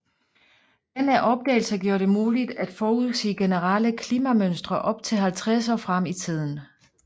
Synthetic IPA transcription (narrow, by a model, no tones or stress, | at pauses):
d̥enæʔɒ̽b̥̚d̥ɛ̰ːlsɐɡ̥jo̝ːɐd̥e̝muːlid̥æd̥fɒːuð̰ˠsḛːɡ̥e̝nəʁɑləkʰliːmæmønsd̥ʁɐʔɒ̽b̥t͡sʰe̝lɦælt͡sʰʁɛs̬ɒːfʁɑm̰it͡sʰið̰ˠn̩